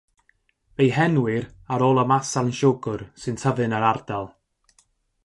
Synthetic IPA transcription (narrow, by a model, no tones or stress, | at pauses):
vejɦɛnwɪraɾoːlˠəmasanʃɔɡʊrsɨntʰəvɨnəɾard̥alˠ